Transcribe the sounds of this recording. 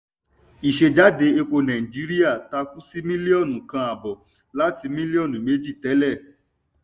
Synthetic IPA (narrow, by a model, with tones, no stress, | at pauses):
i˨ʃe˧d͡ʒa˨˦de˨˧e˧k͡po˧nã˨ĩ˨d͡ʒi˨˦ɾi˦a˦˨ta˧ku˦si˦mĩ˦li˦ɔ˦˨nũ˨kã˧a˨bɔ˨ | la˨˦ti˧mĩ˦li˦ɔ˦˨nũ˨me˨˦d͡ʒi˦˨tɛ˨˦lɛ˦˨